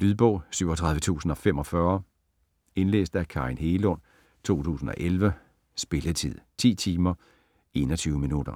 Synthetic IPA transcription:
l̥yðˠb̥ɔʊsyʊ̰ɒt͡sʰʁɑ̈ð̞ˠʋət͡sʰṵːsn̩ɒ̽fem̰ɒ̽fɶɐ | e̝nlḛːsd̥ækʰɑ̈ʁinheːlɔn̰ | t͡sʰo̝̰ːt͡sʰṵːsn̩ɒ̽ʔelʋə | sb̥e̝lət͡sʰið̰ˠt͡sʰḭːt͡sʰiːmɐ | e̝nɒ̽t͡sʰyːʊəminud̥ɐ

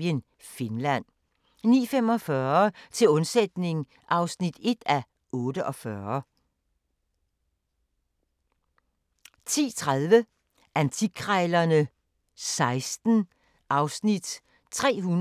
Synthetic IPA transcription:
ən | fe̝nlæn̰ | nḭːfem̰ɒ̽fɶɐt͡sʰe̝lɔ̽nsed̥ne̝ŋ | ʔɑ̈ʊsnid̥e̝d̥æ | ɔ̽ːd̥əʔɒ̽fɶɐ | t͡sʰḭːt͡sʰʁaðˠʋə | ʔænt͡sʰiɡ̥ʰʁɑɪlɐnə | sɑ̈ɪsd̥n̩ | ʔɑ̈ʊsnid̥ | t͡sʰʁɛ̰ːɦun

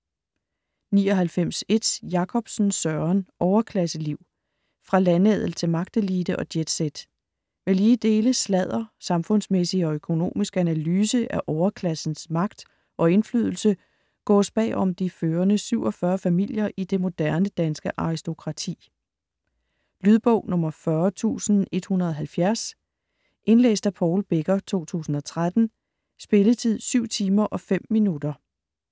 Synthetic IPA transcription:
niːɒ̽ɦælfem̰se̝d̥sjɑ̈kʰɒ̽b̥sn̩sɶɐɐnʔɒʊɐkʰlæsəliʊ̰ | fʁɑ̈lænɛð̞̰ˠl̩t͡sʰe̝lmɑ̈ɡ̥̚d̥əliːd̥əʔɒ̽d̥jed̥sed̥ | meliːd̥e̝ːləslɛð̰ˠɐsɑ̈mfɔ̽n̰smesiɒ̽økʰo̝no̝̰ːmisɡ̥ænælyːsəʔæʔɒʊɐkʰlæsn̩smɑ̈ɡ̥̚d̥ | ʔɒ̽e̝nflyð̞ˠl̩sə | ɡ̥ɒ̰ːsb̥ɛ̰ːʔɒ̽md̥iføːɐnəsyʊ̰ɒ̽fɶɐfæmil̰jɐʔid̥e̝mo̝d̥æɐnəd̥ænsɡ̥əʔɑ̈ʁisd̥o̝kʰʁɑ̈t͡sʰḭː | lyð̞ˠb̥ɔ̽ʊ̰nɔ̽mɐfɶɐt͡sʰṵːsn̩e̝d̥hunʁɐðˠɦælfjæɐs | ʔe̝nlḛːsd̥æpʰɒʊlb̥e̝ɡ̥ɐt͡sʰo̝̰ːt͡sʰṵːsn̩ɒ̽t͡sʰʁad̥n̩ | sb̥e̝lət͡sʰið̰ˠsyʊ̰t͡sʰiːmɐʔɒ̽fem̰ːinud̥ɐ

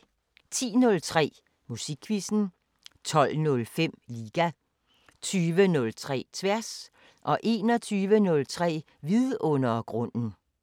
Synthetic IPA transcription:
t͡sʰḭːnɔ̽lt͡sʰʁɛ̰ː | musiɡ̥ʰʋisn̩ | t͡sʰɒ̽lnɔ̽lfem̰liːɡ̥æ | t͡sʰyːʋənɔ̽lt͡sʰʁɛ̰ːt͡sʰʋæɐs | ʔɒ̽ʔe̝ːnɒ̽t͡sʰyːʋənɔ̽lt͡sʰʁɛ̰ː | ʋiðˠɔ̽nɐɡ̥ʁɔ̽n̰n̩

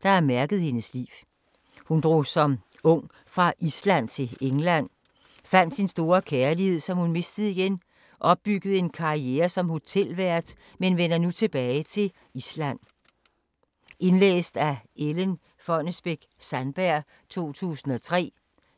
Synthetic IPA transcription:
d̥ɑ̈æɐmæɐɡ̥ð̞̩ˠhe̝nəslḭː | hund̥ʁo̝ːsɒ̽m | ɔ̽ŋ̰ | fʁɑ̈ʔislæn̰t͡sʰe̝leŋlæn̰ | fæn̰d̥sinsd̥o̝ːɐkʰeːɐlihe̝ð̞̰ˠsɒ̽mhunme̝sd̥ð̩ˠiɡ̥en | ʔɒ̽b̥̚ːyɡ̥ð̞̩ˠe̝nkʰɑ̈ieːɐsɒ̽mho̝t͡sʰel̰ʋæɐ̰d̥ | menʋenɐnut͡sʰe̝b̥ɛːɪt͡sʰe̝l | islæn̰ | e̝nlḛːsd̥æelən | fɒ̽nəsb̥eɡ̥sænb̥æɐ̰ | t͡sʰo̝̰ːt͡sʰṵːsn̩ɒ̽t͡sʰʁɛ̰ː

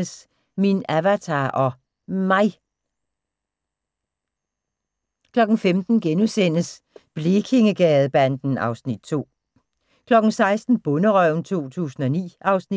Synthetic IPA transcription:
əs | minæʋæt͡sʰɑːʔɒ̽ | mɑ̈ɪ | kʰlɒ̽ɡ̥n̩femd̥n̩ɡ̥enusen̰əs | b̥lekʰe̝ŋəɡ̥ɛːð̩ˠb̥ænd̥n̩ɑ̈ʊsnid̥̚t͡sʰo̝̰ː | kʰlɒ̽ɡ̥n̩sɑ̈ɪsd̥n̩b̥ɔ̽nəʁœʊn̩t͡sʰo̝̰ːt͡sʰṵːsn̩ɒ̽nḭːʔɑ̈ʊsni

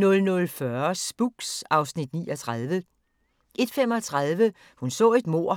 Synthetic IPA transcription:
nɔ̽lnɔ̽lfɶɐsb̥uɡ̥sɑ̈ʊsnid̥nḭːɒt͡sʰʁɑðˠʋə | ʔe̝d̥fem̰ɒ̽t͡sʰʁaðˠʋə | hunsɔ̰̽ːe̝d̥mo̝ɐ̰

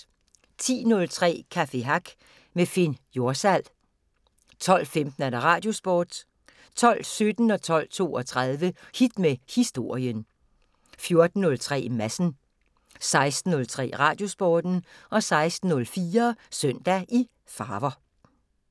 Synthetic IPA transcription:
t͡sʰḭːnɔ̽lt͡sʰʁɛ̰ːkʰæfe̝ɦɑ̈ɡ̥ | mefenjo̝ɐsæl̰ | t͡sʰɒ̽l̰femd̥n̩æɾ̥ɑ̈ʁɑ̈ːd̥jo̝sb̥o̰ːd̥ | t͡sʰɒ̽l̰sød̥n̩ɒ̽t͡sʰɒ̽l̰t͡sʰo̝̰ːɒt͡sʰʁaðˠʋəhid̥mehisd̥o̝ɐ̰jən | fjo̝ɐd̥n̩ːɔ̽lt͡sʰʁɛ̰ːmæsn̩ | sɑ̈ɪsd̥n̩ːɔ̽lt͡sʰʁɛ̰ːʁɑ̈ːd̥jo̝sb̥ɒːd̥n̩ɒ̽sɑ̈ɪsd̥n̩ːɔ̽lfiːɐsœn̰d̥æʔi | fɑːʋɐ

